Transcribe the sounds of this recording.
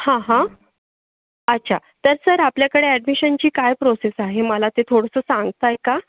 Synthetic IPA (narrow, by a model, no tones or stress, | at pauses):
hãɦã | ətːɕʰat̪əɾsəɾapljakəɽeæɖmiɕənt͡ɕiːkajpɾosesaɦeməlat̪et̪ʰoɽəsəːsãŋɡt̪ajka